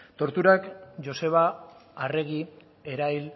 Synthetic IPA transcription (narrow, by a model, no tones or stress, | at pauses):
t̪o̞ɾt̪uɾakd͡ʒo̞se̞βaːre̞ɣi | e̞ɾajl